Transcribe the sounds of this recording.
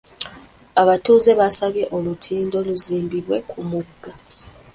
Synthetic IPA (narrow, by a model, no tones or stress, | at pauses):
aβatuːze̞βasaβje̞ʔolutʰiːndo̞luziːmbiβwe̞̰kʰumuɡːa